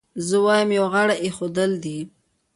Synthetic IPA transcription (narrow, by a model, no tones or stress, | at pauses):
zəwɑjəmjawɣaɽaʔexod̪əld̪i